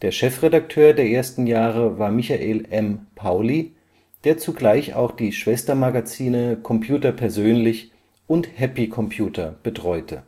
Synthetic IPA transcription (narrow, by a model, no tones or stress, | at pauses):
d̥eːɐʃɛfʁedak̚tʰøːɐdeːɐʔeːɐstn̩jaːʁəvaːɐmɪçaʔeːlʔɛmpʰaʊli | d̥eːɐt͡suɡlaɪça̰ʊxd̥iːʃv̥ɛstɐmaɡat͡siːnəkʰɔmpʰjuːtɐpʰɛɐzøːnlɪç | ʔʊnthɛpikʰɔmpʰjuːtʰɐb̥ətʁ̥ɔʏtʰə